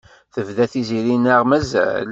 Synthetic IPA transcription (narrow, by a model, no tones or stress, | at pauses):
θəvðæθiziɾinəʁmæzæ̰l